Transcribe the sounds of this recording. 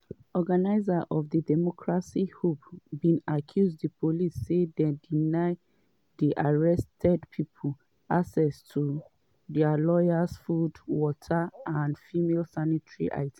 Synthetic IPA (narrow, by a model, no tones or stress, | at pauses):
ɔɡanaɪzaʔɔvðədɛmɔkʰɹasihupbĩnakʰjuzdəpʰolisːedɛ̃dinaɪ | ðiʔaɹɛstʰɛdpʰipʰol | ʔasɛstʰu | dɛalɔjasfudwɔtʰaãndfimelsanitɹḭʔa̰ɪt